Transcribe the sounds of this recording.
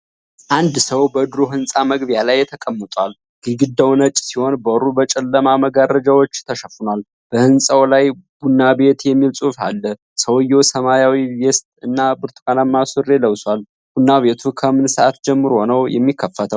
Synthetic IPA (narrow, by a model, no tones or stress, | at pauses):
ʔand̪səwbəd̪ɨɾoɦɨnsʼaməɡβjalajːɛt̪ʰəkʼəmːət̪ʼwal | ɡ̥ɨɡɨd̪əwnət͡ʃʼsiho̞nbəɾubət͡ʃʼɛlːəmaməɡarəd͡ʒawot͡ʃːt̪ʰəʃəfunal | b̥əhɨnsʼawlajb̥unːabe̞t̪jɛmːilsʼufa̰lːə | səwjːowsəmajawijɛst̪ɨnːabɨɾt̪ʰʼkʼanamːasɨrːe̞ləwswʷal | b̥unːaβe̞t̪ʰukʰəmɨnsəʔat̪d͡ʒɛmːɨɾuho̞nəwjɛ̰mːikːəfːət̪ʰəw